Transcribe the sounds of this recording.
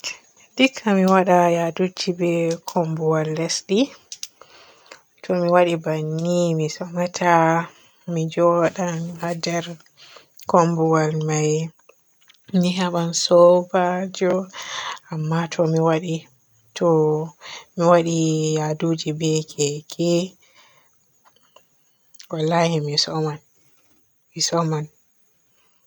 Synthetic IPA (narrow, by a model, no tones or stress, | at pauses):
dikʰːamiwaɗajadud͡ʒibɛkʰɔmbuwalːɛsɗi | tʰɔmiwaɗibanːimisɔmatʰa | mid͡ʒɔɗanhadɛɾ | kɔmbuwalmaj | niɦaɓansɔbad͡ʒɔ | amːatʰɔmiwaɗi | tʰɔ | miwaɗiadud͡ʒibɛkʰɛkɛ | walːahimisɔman | misɔman